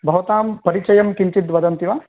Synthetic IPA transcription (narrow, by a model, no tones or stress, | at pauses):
bʱɐʋɐt̪aːmpɐɾit͡ʃɐjɐmkiɲt͡ʃit̪ʋɐd̪ɐnt̪iʋaː